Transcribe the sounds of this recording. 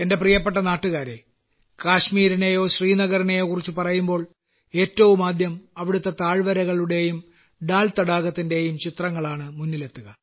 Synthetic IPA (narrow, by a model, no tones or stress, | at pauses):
e̞nde̞prijɐpːeʈ̬ːɐnaːʈːuɣaːɾe̞ | kaːɕmiːɾine̞jo̞ːɕriːnɐɣɐɾine̞joːkːurit͡ɕːupɐrɐjumbo̞ːɭ | e̞ːtːɐʋumaːd̪ʱjɐmɐʋiɽut̪ːɐt̪aːɻʋɐɾɐɣɐɭuɽe̞jum | ɖaːlt̪ɐɽaːɣɐt̪ːinde̞jumt͡ɕit̪rɐŋːɐɭaːɳɨmunːile̞t̪ːuɣɐ